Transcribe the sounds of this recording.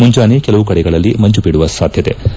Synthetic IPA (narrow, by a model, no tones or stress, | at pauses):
muɲd͡ʒaːnekɛlɐʋukɐɽɛɡɐɭɐlːimɐɲt͡ʃupiɽuʋɐsaːd̪ʱjɐt̪e̞̰